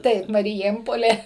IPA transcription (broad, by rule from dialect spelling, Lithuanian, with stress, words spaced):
ˈtɐɪp mɐrʲɪˈjeːmpoːlʲeː